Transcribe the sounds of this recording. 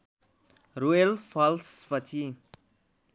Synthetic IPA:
ɾuelpʰʌlspʌt͡sʰi

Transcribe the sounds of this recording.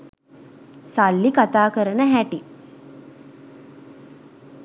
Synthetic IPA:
salːikat̪aːkəɾənəɦæʈi

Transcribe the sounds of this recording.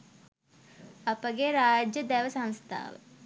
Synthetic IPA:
ɐpəɡeɾaːd͡ʒjəd̪ɛʋəsɐ̃ŋst̪ʰa̰ːʋə̰

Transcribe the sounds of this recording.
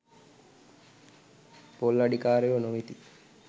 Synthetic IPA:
polːaɖikaːɾeʋənoʋit̪i

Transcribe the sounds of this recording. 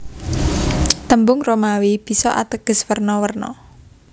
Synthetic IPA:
t̪əmbʊŋromawib̥i̤sɔʔa̰t̪əɡ̥ə̤swərnɔwərnɔ̰

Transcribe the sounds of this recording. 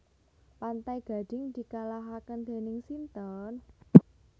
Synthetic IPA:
pant̪ajɡ̥a̤d̥ɪ̤ŋd̪̥i̤kalaɦakənd̪̥e̤nɪŋsint̪ɔn

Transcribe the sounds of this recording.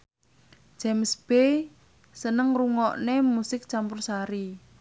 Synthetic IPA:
d͡ʒ̥ɛmsb̥e | sənəŋruŋɔʔnemusɪk̚t͡ʃampʊrsaɾi

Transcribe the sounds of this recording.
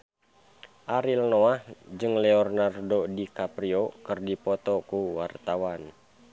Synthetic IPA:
ʔaɾilnoahd͡ʒɨŋlɛɔrnardodikapɾiokɨrdipɔt̪ɔkuwart̪awan

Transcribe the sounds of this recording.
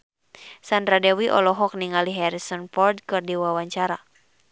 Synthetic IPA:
sandɾadɛwiʔɔ̰lɔɦɔk̚niŋaliɦɛɾisɔnfɔrd̪̚kɨrdiwawaɲt͡ʃaɾa

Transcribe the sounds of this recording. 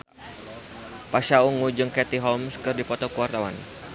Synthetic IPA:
paʃauŋud͡ʒɨŋkɛt̪iɦɔmskɨrdipɔt̪ɔkuwart̪awa̰n

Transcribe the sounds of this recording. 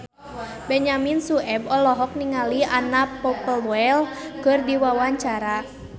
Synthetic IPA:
bɛɲaminsuʔɛbɔlɔɦɔk̚niŋalianapɔpəlɛlkɨrdiwawaɲt͡ʃaɾa

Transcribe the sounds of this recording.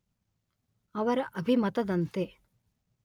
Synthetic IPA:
ɐʋɐɾɐʔɐbʱimɐt̪ɐd̪ɐnt̪e

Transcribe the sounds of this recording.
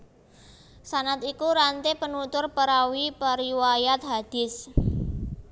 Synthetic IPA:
sanat̪ikuɾant̪epənut̪ʊrpəɾawipəɾiwajat̪̚ɦad̪̥ɪ̤s

